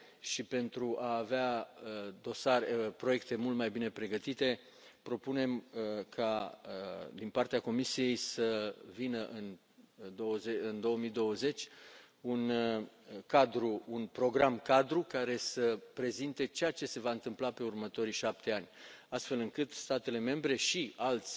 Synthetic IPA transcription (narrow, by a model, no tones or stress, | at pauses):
ʃipe̞nt̪ɾuʔaːvea | d̪o̞sarpɾo̞jekt̪e̞mult̪majbine̞pɾe̞ɡət̪it̪e̞ | pɾo̞pune̞mkʰa | d̪inpart̪eako̞misije̞jsəvinəʔɨn | d̪o̞əzeɨnd̪o̞wəmijd̪o̞wəze̞t͡ʃʲ | un | kad̪ɾuunpɾo̞ɡɾamkad̪ɾukaɾe̞səpɾe̞zint̪e̞t͡ʃejat͡ʃe̞se̞vaɨnt̪ɨmplape̞urmət̪o̞ɾiʃap̚t̪e̞anʲast̪fe̞lɨŋkɨt̪st̪at̪e̞le̞me̞mbɾe̞ʃialt̪sʲ